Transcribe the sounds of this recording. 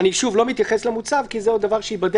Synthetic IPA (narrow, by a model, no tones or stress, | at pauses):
niʃuvlo̞mit̪jaχeslemut͡savkizeod̪ːavaʁʃeibad̪